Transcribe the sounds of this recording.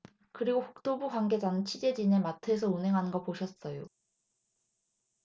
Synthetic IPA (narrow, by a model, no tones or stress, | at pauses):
kɯɾiɡoɸu̥k̚t͈obukwanɡe̞d͡ʑanɯnt͡ɕʰid͡ʑe̞d͡ʑinematʰe̞s̬ʰʌunɦe̞ŋɦanɯnɡʌpoɕʰʌs͈ʌjo